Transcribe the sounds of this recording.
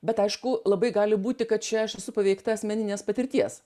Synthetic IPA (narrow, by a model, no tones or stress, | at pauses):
bʲɛt̪ɐɪʃkʊlˠɐbɐɪɡɑːlʲɪbuːt̪ʲɪkɐt̪̚t͡ʃʲɛɐʃɛsʊpɐʋʲɛɪkt̪ɐɐsʲmʲɛnʲɪnʲeːspɐt̪ʲɪɾʲt̪ʲiɛs